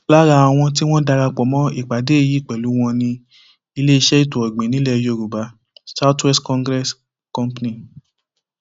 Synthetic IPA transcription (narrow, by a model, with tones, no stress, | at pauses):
la˦ɾa˧˨w̃ɔ̃˧t̬i˦w̃ɔ̃˦da˧ɾa˧k͡pɔ˨˦mɔ̃˨˦i˦˨k͡pa˨˦de˨˦e˦˨ji˨˦˨k͡pɛ˨lu˨˦w̃ɔ̃˧nĩ˧ | i˧le˦i˧ʃɛ˦i˦˨to˨ɔ˨ɡ͡bẽ˨nĩ˨˦lɛ˦˨jo˧˨ɾu˨ba˨˦ | sa˦twɛ˦stkɔ̃˧ŋɡɾɛ˦s | kɔ̃˦m˦pnĩ˨